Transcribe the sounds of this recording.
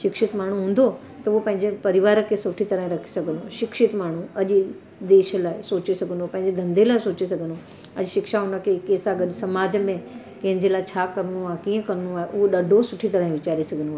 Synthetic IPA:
ʃɪkʃɪt̪maːɳ̤uɦũːn̆d̪ʱo | t̪ɐʊɦopɐ̃ɦɪɲd͡ʑepɐɾɪʋaːɾəkʰesʊʈʰit̪ɐɾaɦĩɾɐkʰi̥sɐɡʱənoʃɪkʃɪt̪maːɳ̤uɐʄ | d̪eːʃəlaːɪsoːt͡ɕisɐɡʱənd̪opɐ̃ɦɪ̃ɲd͡ʑed̪ʱɐ̃nd̪elaːɪsoːt͡ɕisɐɡʱənd̪o | ɐʄʃɪkʃaʊnəkʰekeːsaɡəɗsɐmaːd͡ʑəmẽ | kɐ̃ɦɪ̃ɲd͡ʑelaːɪt͡ɕʰaːkɐɾnuaːɦekiːə̃kɐɾnũaːɦeʔʊɦoɗɐɖʱosʊʈʰit̪ɐɾaːɦĩʋɪt͡ɕaːɾisɐɡʱənoaːe

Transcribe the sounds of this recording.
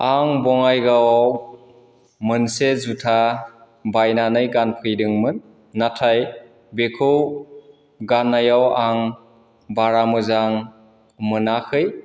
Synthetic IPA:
aŋbɔŋajɡawaw | mɯnsezutʰa | bajnanɯjɡanpʰɯjdɯŋmɯnː | atʰaj | bekʰɯw | ɡanːajawaŋ | baɾamɯzaŋ | mɯnakʰɯj

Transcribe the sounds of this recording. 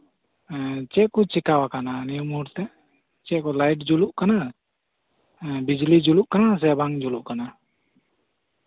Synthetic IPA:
t͡ʃɛʔkɔt͡ʃikawakananijumuɾt̪ɛʔ | t͡ʃɛʔkɔlajʈ̚d͡ʒuluʔkana | bid͡ʒlid͡ʒuluʔkanas̬ɛbaŋd͡ʒuluʔkana

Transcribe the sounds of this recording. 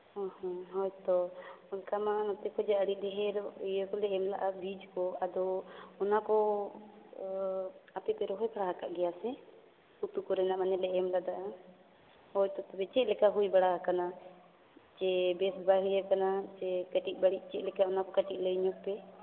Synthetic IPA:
ɔ̃hɔ̃ɦɔjt̪ɔɔlkamanɔt̪ɛkɔd͡ʒaəɽiˀd̪ɛɦɛɾɔijəkɔlɛʔɛmlaʔabid͡ʒkɔad̪ɔːnakɔ | apɛpɛɾɔɦɔjbaɽaɦakaʔɡɛjasɛ | ut̪ukɔɾɛnaʔmanɛlɛʔɛmlad̪aʔa | hɔjt̪ɔt̪ɔbɛt͡ʃɛt̚lɛkaɦujbaɽakana | t͡ʃɛbɛsbaɦijakanat͡ʃɛkəʈic̪̚ˀbaɽiʔ̚ˀt͡ʃɛʔlɛkaɔnakɔkaʈiʔ̚ləjɲɔk̚pɛ

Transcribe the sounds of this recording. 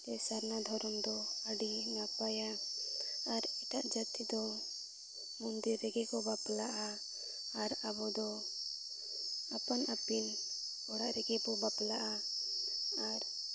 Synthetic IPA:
t̪ɛsaɾnad̪ʱɔɾɔmd̪ɔəɖinapajaː | ɾɛt̪aʔd͡ʒat̪ʰːid̪ɔ | mund̪iɾːɛɡɛkɔbaplaʔaː | ɾabɔd̪ɔ | apɔnʔapin | ɔɽaʔɾɛɡɛkɔbaplaʔa | aɾ

